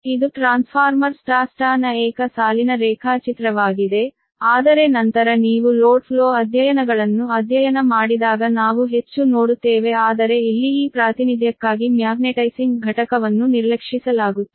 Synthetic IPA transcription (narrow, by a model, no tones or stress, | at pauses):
id̪uʈɾaːnspʰaːɾmɐɾsʈaːsʈaːnɐɛːkɐsaːlinɐɾɛːkʰaːt͡ʃit̪ɾɐʋaːɡid̪e̞ | aːd̪ɐɾe̞nɐnt̪ɐɾɐniːʋuloːɖpʰloːɐd̪ʱjɐjɐnɐɡɐɭɐnːuɐd̪ʱjɐjɐnɐmaːɽid̪aːɡɐnaːʋuɦe̞t͡ʃːunoːɽut̪ːeːʋe̞aːd̪ɐɾe̞ilːiiːpɾaːt̪inid̪ʱjɐkːaːɡimjaːɡneʈɐjsiŋɡɡʱɐʈɐkɐʋɐnːuniɾlɐkʂisɐlaːɡut̪ː